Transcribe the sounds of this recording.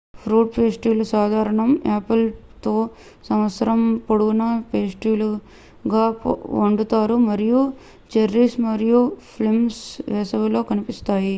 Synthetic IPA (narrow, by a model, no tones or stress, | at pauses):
pʰɾuːʈpeːsʈiːlusaːd̪ʱaːɾɐɳɐmaːpɐlt̪oː | sɐmʋɐt̪sɐɾɐmpoɽuɡunɐpeːsʈiːlu | ɡaːpoɳɖut̪aːɾumɐɾiju | t͡ʃeɾːiːsmɐɾijupʰlimsʋɛːsɐʋɐlo̞ːkɐnipist̪aːji